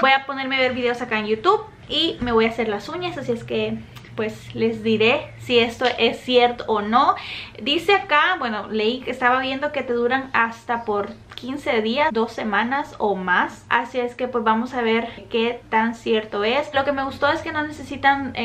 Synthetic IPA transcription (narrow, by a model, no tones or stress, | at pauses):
bo̞japo̞ne̞ɾmeβe̞ɾβiðe̞osakaenjut̪uβ | ime̞βo̞jase̞ɾlasuɲasasieske̞ | pwe̞sle̞zd̪iɾe̞sie̞st̪oʔesːjeɾt̪oːno̞d̪ise̞akabwe̞no̞le̞ikest̪aβaβje̞nd̪o̞ke̞t̪e̞ðuɾanast̪apo̞ɾkinse̞ðiazd̪o̞sːe̞mãnasomasa̰sieske̞pwezβamo̞saβ̞e̞ɾket̪ansje̞ɾt̪o̞e̞slo̞ke̞me̞ɣust̪o̞e̞ske̞no̞ne̞sesit̪an